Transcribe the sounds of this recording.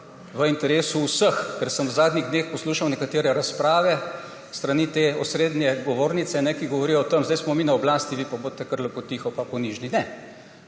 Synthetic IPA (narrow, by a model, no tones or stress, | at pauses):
ʋəint̪ɛɾeːsuusəxkɛɾsəmwzaːd̪niɣd̪neːxpɔsluːʃawnɛkat̪eːɾɛɾaspɾaːʋɛ | st̪ɾanit̪eːɔsɾeːd̪njɛɡɔʋoːɾnit̪sɛnɛkiɡɔʋɔɾijɔt̪əmzd̪ajsmɔminaɔblaːst̪iʋipaboːt̪ɛkəɾlɛpɔt̪ixɔpapɔniʒninɛ